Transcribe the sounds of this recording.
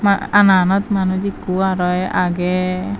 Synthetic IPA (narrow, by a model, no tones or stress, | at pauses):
maananɔt̪manud͡ʒikuaɾɔja̰ɡɛ